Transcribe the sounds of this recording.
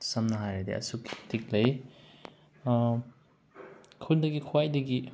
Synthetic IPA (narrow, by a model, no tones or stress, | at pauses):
sɐmnɐɦajɾadḭɐ̰suktik̚lɐj | kʰundɐɡikʰuwajdɐɡi